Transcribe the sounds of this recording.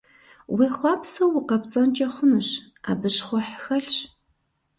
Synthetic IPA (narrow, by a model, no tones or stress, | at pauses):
wiːχʷɑːpsɐwɪqɐpt͡sʼɐnt͡ʃʼɐχʷʊnɨɕ | a̰ːbɨɕχʷɔħxɐɬɕ